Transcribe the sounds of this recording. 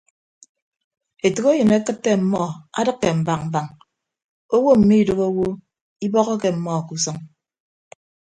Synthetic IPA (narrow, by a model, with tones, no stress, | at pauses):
e˨tu˨ɣe˦jɨ˨ne˦kɨ˦tːe˦m̩˦mɔ˦˨a̰˦dɨ˦kːe˨m̩˨ba˨k̚m̩˨ba˨ŋ | o˦wo˦m̩˨mi˦i˨do˨ɣo˦wo˦ | i˦bɔ˦ɣɔ˦ke˨m̩˦mɔ˦˨ku˦sɔ˦ŋ